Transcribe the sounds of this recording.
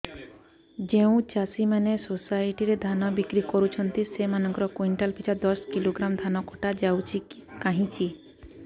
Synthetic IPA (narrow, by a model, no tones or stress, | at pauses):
d͡ʒeũt͡ʃasimanesosajʈiɾed̪ʱanɔbikɾikɔɾut͡ʃʰɔnt̪isemanɔ̃ŋkɔɾɔkwiɳʈalpʰit͡ʃʰad̪ɔskiloɡɾamd̪ʱanɔkʰɔʈad͡ʒawt͡ʃʰikaɦĩt͡ʃʰi